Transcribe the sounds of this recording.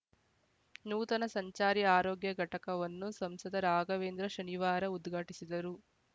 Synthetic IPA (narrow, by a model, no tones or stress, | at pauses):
nuːt̪ɐnɐsɐɲt͡ʃaːɾiaːɾoːɡjɐɡʱɐʈɐkɐʋɐnːusɐmsɐd̪ɐɾaːɡɐʋe̞ːnd̪ɾɐʃɐniʋaːɾɐud̪ɡʱaːʈisid̪ɐɾu